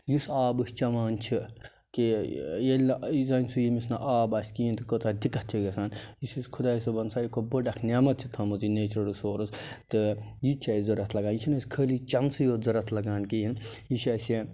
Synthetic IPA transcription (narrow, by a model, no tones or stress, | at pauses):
jusaːbɨsʲt͡ʃɐʋaːnt͡ʃʰi | kijelʲnzɐnʲsujimisnɐʔaːbɐːsʲkint̪ɨkot͡sad̪ikɐt͡ʃʰiɡɐsaːnjisiskʰud̪aːjisobɐnsaɾʲikʰobəɖɐkʰnʲaːmɐt̪̚t͡ʃʰit̪ʰɐmuzineːt͡ʃɾɐɽusoːɾɨst̪ɨjit͡ʃʰazɐɾɐt̪ʰlɐɡaːnjisʰinɐsʲkʰəːlit͡ʃɐnsɨjoːzɐɾɐt̪ʰlɐɡaːnkijinjiʃɐsi